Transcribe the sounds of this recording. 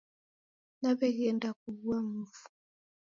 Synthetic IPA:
naβɛɣiɛndak̚uβuam̩vu̥

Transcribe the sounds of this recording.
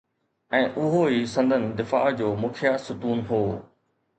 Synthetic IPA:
ɛ̃ːʔʊɦoɦiːsɐ̃nd̪ʱənɪ̆d̪ɪfa̰ːd͡ʑoːmʊkʰjasʊk̪uːnɦoː

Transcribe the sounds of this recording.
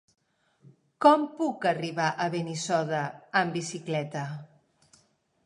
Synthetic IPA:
kɔmpukəriβaʔəβenisɔðəːmbisiklɛt̪ə

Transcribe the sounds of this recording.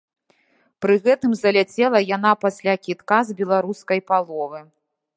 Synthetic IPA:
pɾɨɣɛt̪ɨmzɐlʲat͡sʲɛlˠɐjanapasʲlʲakʲit̪kazbʲɛlˠaɾuskɐjpalˠɔvɨ

